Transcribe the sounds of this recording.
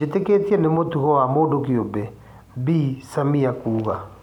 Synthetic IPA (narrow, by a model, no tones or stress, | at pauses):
etekeːtiɛnemotuɣɔwamoːdokiobɛ | bisamiakuːɣa